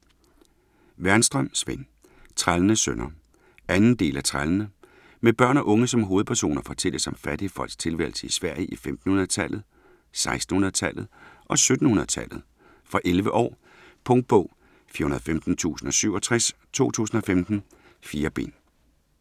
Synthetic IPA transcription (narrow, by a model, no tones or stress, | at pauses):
ʋæɐnsd̥ʁɶm̰sʋen | t͡sʰʁalənəsønɐ | ænn̩d̥e̝̰ːlæt͡sʰʁalənə | meb̥ɶɐ̰nɒ̽ʔɔ̽ŋəsɒ̽mɦo̝ːð̞̩ˠpʰæɐso̝̰ːnɐfɒ̽t͡sʰel̰əsɒ̽mfæɾ̥iəfɒ̽l̰ɡ̥st͡sʰe̝lʋæ̰lsəisʋæɐ̰jʔifemd̥n̩hunɐðˠt͡sʰæl̰ð̞̩ˠ | sɑ̈ɪsd̥n̩hunɐðˠt͡sʰæl̰ð̩ˠʔɒ̽sød̥n̩hunɐðˠt͡sʰæl̰ð̩ˠ | fʁɑ̈ʔelʋəʔɒ̰ː | pʰɔ̽ŋd̥̚b̥ɔ̰̽ʊ̰ | fiɐhunɐð̩ˠfemd̥n̩t͡sʰṵːsn̩ɒ̽syʊ̰ɒt͡sʰʁɛs | t͡sʰo̝̰ːt͡sʰṵːsn̩ɒ̽femd̥n̩ | fiːɐb̥e̝̰ːn